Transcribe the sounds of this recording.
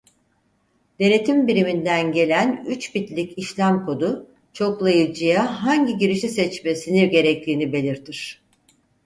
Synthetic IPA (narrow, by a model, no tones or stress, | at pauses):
d̪̥e̞ne̞t̪ʰimbiɾimind̪ænɟe̞lʲænyt͡ʃbit̪lʲiciʃlʲæmkʰo̞d̪u | t͡ʃʰo̞klˠajɯd͡ʒɯjaɦaɲɟiɟiɾiʃisɛt͡ʃme̞siniɟe̞ɾɛc̚t̪ʰiːnibe̞lʲiɾt̪ʰiɾ̝̥